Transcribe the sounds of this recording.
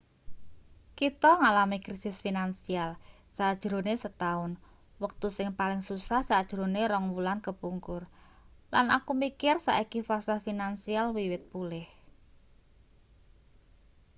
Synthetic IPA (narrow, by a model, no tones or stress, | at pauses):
kit̪ɔŋalamikɾisɪsfinansial | sad̥ʒ̥ɾo̤nesət̪aʊn | wək̚t̪usɪŋpalɪŋsusahsad̥ʒ̥ɾo̤neɾɔŋwulankəpuŋkʊr | lana̰kumikɪrsa̰ʔikifasɪafinansialwiwɪt̪̚pulɪh